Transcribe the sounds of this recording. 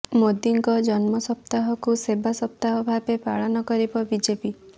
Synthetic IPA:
mod̪iŋkɔd͡ʒɔnmɔsɔpt̪aɦɔkusebasɔp̚t̪aɦɔbʱabepaɭɔnɔkɔɾibɔbid͡ʒepi

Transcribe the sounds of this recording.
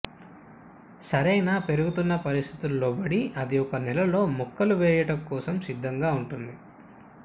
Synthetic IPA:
sɐɾɐjnaːpe̞ɾuɡut̪unːɐpɐɾist̪ʰi̥t̪ulːoːbɐɽiʔɐd̪iɔkːɐnɛlɐlo̞ːmukːɐluʋɛːjɐʈɐŋkɔːsɐmsid̪ʱːɐŋɡaːuɳʈund̪i

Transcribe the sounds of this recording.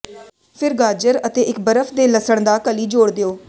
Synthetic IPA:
pʰɪɾɡaːd͡ʒəɾət̪eːʔɪkbəɾəfʰd̪eːləsəɳ̃d̪aːkəliːd͡ʒoːɽd̪eoː

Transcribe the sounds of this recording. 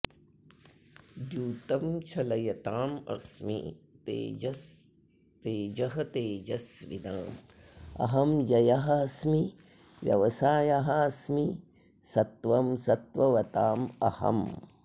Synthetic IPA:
d̪juːt̪ɐmt͡ʃʰɐlɐjɐt̪aːmɐ̰smḭt̪ḛːɐs | t̪eːd͡ʒɐɦɐt̪eːd͡ʒɐsʋḭd̪aːm | ɐ̰ɦɐmjɐjɐɦɐɐsmi | ʋjɐ̰ʋɐsaːjaɦɐɐsmi | sɐt̪ʋɐmsɐt̪ʋɐʋɐt̪aːmɐ̰hɐ̰m

